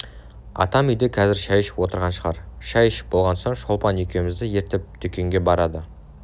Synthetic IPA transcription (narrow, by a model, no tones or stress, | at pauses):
ɑ̰t̪ɑmʏjd̪ekʰɑzɪɾʃæjʃɪ̥pwo̞t̪əɾʁɑnʃəʁɑɾʃɑjʃɪ̥p̚bolˠʁɑnsoɴʃolˠpɑnekʲʰe̞mɪzd̪ɪje̞ɾt̪ɪp̚t̪ʰʏkʲeŋɡʲe̞bɑɾɑd̪ə